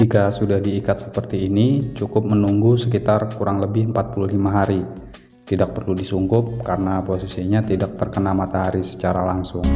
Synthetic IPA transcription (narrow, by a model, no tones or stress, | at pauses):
d͡ʒikasudahdiːkat̪̚sə̥pərt̪iːnit͡ʃukʊp̚mənuŋɡusəkit̪arkuɾaŋləbɪɦəmpat̪̚puluɦlimaɦaɾi | t̪idak̚pərludisuŋkʊp̚kaɾənaposisiɲat̪idak̚t̪ərkənamat̪aɦaɾisə̥t͡ʃaɾalaŋsʊŋ